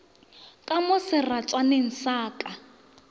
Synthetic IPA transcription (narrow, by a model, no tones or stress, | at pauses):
kʼamʊsɪrat͡sʼanɪn̩saːkʼa